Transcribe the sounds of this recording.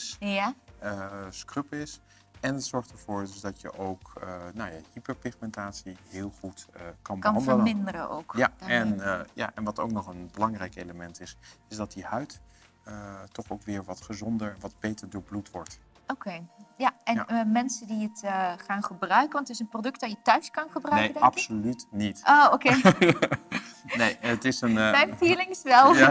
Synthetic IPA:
saəskrøpɪs | ɛnətsɔɹχtəɹv̥ʊːɹdɵsdɑtjə̰ʔowkənawjahipəɹpɪχmɛntaːtsiɦɪːlˠχutkɑnbnɑndələmɪndəɾəo̰wkjaɛnja̰ʔɛnʋɑto̰wk̚nɔχənbəlɑŋrɛjkejləmɛntɪsɪzdɑt̚dihœɥt | tɔχowkʋɪːɹʋɑtχəzɔndəɹʋɑdb̥ejtəɹdʊːɹblutʋɔɹt | okejjaʔɛnmɛnsədiətχaːnχəbrœɥkənʋɑntɪsənprodɵk̚tdɑjətœɥskɑnχəbrœkeədɛɑpsolytnitooke | nejətɪsənmɛjfiːlɪŋsʋɛlˠja

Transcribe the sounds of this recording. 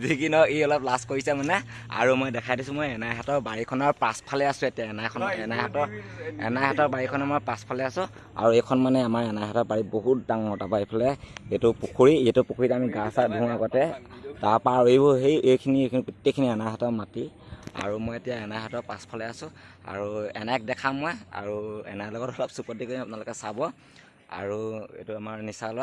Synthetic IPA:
zikinɔeɔlɔplaskoɹisɛmanɛ | a̰ɹumojdɛkʰajdisʊ̃mojɛnajɦatɔɹbaɹikʰɔnɔɹpaspʰalɛasʊ̃etijaɛnakʰɔnɔɛnajɦatɔɹɛ̰najɦatɔɹbaɹikʰɔnamaɹpaspʰalɛasʊ̃ | a̰ɹuejkʰɔnmanɛamaɹɛnaɦatɔbaɹiboɦut̚daŋmɔtapaipʰalɛetʊpukʰuɹietʊpukʰuɹitɛamiɡasadʱũaɡɔtɛtaɹpaɹoibɔɦejejkʰinipitːekʰiniɛnaɦatɔɹmatia̰ɹumɔjetijaɛnajɦatɔɹpaspʰɔlɛasʊ̃a̰ɹuɛ̰nak̚dɛkʰamːɔja̰ɹuɛ̰najlɔɡɔtɔlɔpsupɔtːikoĩmapnalʊkɛsabɔ | a̰ɹuḛtʊamaɹnisalɔ

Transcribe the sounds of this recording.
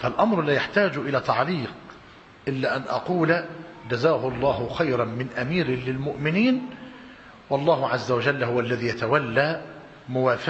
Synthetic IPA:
falʔɑmɾlæːjaħt̪aːd͡ʒʔɪlæːt̪ɑʕliːq | ʔɪlːæːʔanʔɑ̰quːld͡ʒæzaːhʊʔɑlˤːɑːhʊxajɾˤɑnmɪnʔæmiːɾɪlɪlmʊʔmɪniːn | wɑlˤːɑːhʊʕazːawad͡ʒælːhʊwaʔlːæðiːjat̪awalːaː | mʊwaːf

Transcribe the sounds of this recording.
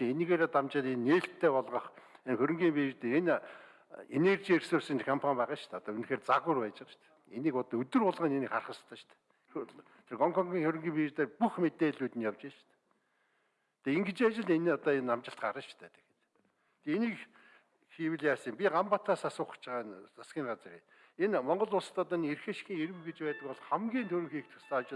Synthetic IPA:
eniɣeːɾeːt̪amt͡ɕɪ̆ɮenːeːɬt̪ʰːæːpɔɮʁɞ̆χenxɵɾʲɵ̆ŋɡʲiːmpeːrt̪een | enert͡ɕiːersʊːsə̆nt͡ɕkʰampʰamʲpæːʁə̆ːʃt̪ʰæːɔt̪ɔːɵn̆xeːrt͡saɣʊ̆rpæːt͡ɕɪ̆t͡ɕt̪ | eniːkɔt̪ɔɵt̪ɵ̆rʊɮʁə̆nenikχarχə̆st̪ʰə̆ʃt̪ʰɛ̥ | t̪ʰerɔŋkʰɔŋɡiːŋxɵɾʲɪ̆ŋɡiːmpeːrt̪eːrpuxmet̪eːɮuːt̪ɘ̆njawt͡ɕeːt͡ɕt̪ | t̪ʰeeŋɡet͡ɕiːat͡ɕɪ̆ɮenːɔt̪ɔːenːamt͡ɕɪ̆ɬt̪ɢaɾə̆t͡ɕt̪ʰæːt̪ʰe̥xĕ̥t̪ | t̪ʰeeniːk | xiːwɘ̆ɮjaːs̆ɪ̆mpʲiɢampat̪ʰaːsasʊːχ̆t͡ɕʰɪʁaːnt͡sʰaskʲiːŋɢat͡srḭː | enmɔɴɢɞ̆ɮʊːst̪ʰɔt̪ɔnerxĕʃxʲiːŋeɾɘ̆wɡet͡ɕpæːt̪ə̆kɔɮχæmɡʲiːnt̪ʰɵɾɵ̆ŋxiːkt̪ʰʊ̥st̪ʰæːat͡ɕɪ̆

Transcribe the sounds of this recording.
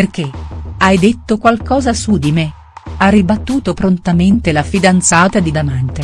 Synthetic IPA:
perk̟eajd̪et̪ːokwalkɔːzasud̪ime | arːibat̪ːuːt̪opɾont̪ament̪elafid̪ant̪saːt̪ad̪id̪amant̪e

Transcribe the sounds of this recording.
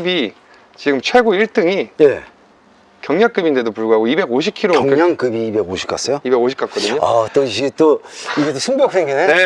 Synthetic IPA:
bi | t͡ɕiɡɯmt͡ɕʰweɭɡoiɭt͈ɯŋije̞̰ | kjʌŋɲak͈ɯbinde̞dopuɭɡuɦaɡoibe̞ɡoɕʰip̚kʰiɾoŋɲaŋkɯbiːbe̞ɡoɕʰi̥p̚k͈a̰s͈ʌjoibe̞ɡoɕʰi̥pk͈ak͈̚ʌdɯɲoat͈oiɡet͈oiɡet͈osʰumbjʌk̚s͈ʰeŋɡinene

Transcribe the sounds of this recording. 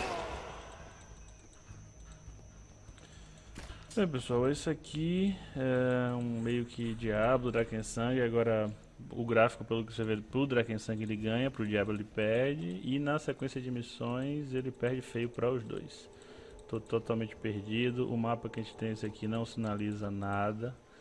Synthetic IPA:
bẽj̃pesuawesɪakʰiɛũmejʊkʰɪd͡ʒiablʊd̪ɾakẽsɐ̃ŋɡɪaɡɔɾɐ | ʊ̰ɡɾafi̥kʊpelʊkɪsevepɾʊd̪ɾakẽsɐ̃ɡɪelɪɡɐ̃ɲɐpɾʊd͡ʒiablˠʊelɪpɛɾd͡ʒɪɪnɐsekwẽsiɐd͡ʒɪemisõj̃zelɪpɛɾd͡ʒɪfejʊpɾɐʊzd̪o̰js | t̪ot̪ot̪awmẽnt͡ʃɪ̥peɾd͡ʒid̪ʊʔʊmapɐkɪaʒẽnt͡ʃɪ̥t̪ẽj̃esɪakʰinɐ̃w̃sĩnalizɐnad̪ɐ

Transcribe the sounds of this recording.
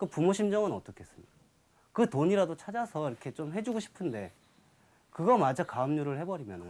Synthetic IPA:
kɯpumoɕʰimd͡ʑʌŋɯnʌt͈ʌkʰe̞es͈ɯmɲid̥a | kɯtoɲiɾadot͡ɕʰad͡ʑasʰʌiɾʌkʰe̞t͡ɕomɦe̞d͡ʑuɡoɕʰi̥pʰɯnde̞ | kɯɡʌmad͡ʑakaɯmɲuɾɯɭhe̞bʌɾimjʌnɯn

